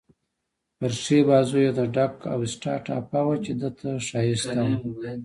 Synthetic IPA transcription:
paɾʂebɑzojet̪aɖaka̰wɪsʈɑʈa̰pawat͡ʃed̪ət̪ʰaʂɑjist̪awa

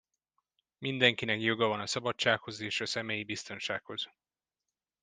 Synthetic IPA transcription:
mind̪ɛŋkinɛkjo̞ɡɒvɒnɒsɒbɒt͡ʃt͡ʃːaːkho̞zeːʃɒsɛmeːjibist̪o̞nʃaːkho̞z̥

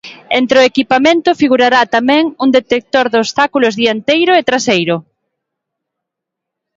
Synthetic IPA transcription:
ent̪ɾeoekipamẽnt̪ʊfiɣuɾaɾat̪amɛ̃ŋuŋd̪et̪ek̚t̪oɾðost̪akulʊzðiant̪ejɾʊet̪ɾasejɾʊ

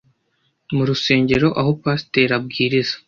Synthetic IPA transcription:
muɾuse̞ːɲɟe̞ɾo̞ʔaɦo̞paːsteɾab̚ɡiːɾizḁ

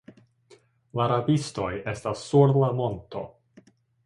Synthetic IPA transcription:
laɾabisto̞je̞stasːuɾlamo̞nto̞̰

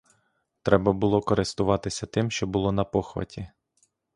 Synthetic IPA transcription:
t̪ɾɛbɐbʊlˠɔkɔɾɪst̪ʊʋɑt̪ɪsʲɐt̪ɪmʃt͡ʃɔbʊlˠɔnɐpɔxʋɐ̰tʲi

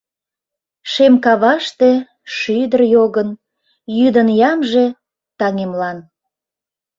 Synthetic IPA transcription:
ʃemkɑβɑʃt̪e | ʃyd̪ərjoɣən | jyd̪ənjɑmʒe̽ | t̪ɑŋemlɑn

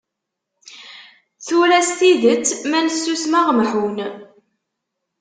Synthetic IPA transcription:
θuɾæst̪iðət͡sːmænsːusmaʁmħun

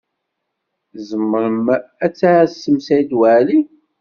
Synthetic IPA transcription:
zəmːəɾəmæt͡sːaʕsːəmsæjd̪waʕli

